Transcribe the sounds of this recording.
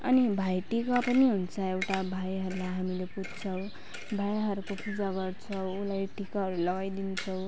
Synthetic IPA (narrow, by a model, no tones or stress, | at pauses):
ʌ̰nibʱajʈikapʌniɦunt͡sʰʌewʈabʱajɦʌɾulajɦamilepud͡zt͡sʰʌw̃ | bʱajɦʌɾukopʰud͡zaɡʌrt͡sʰʌwːlajʈikaɦʌɾulʌɡajd̪int͡sʰʌw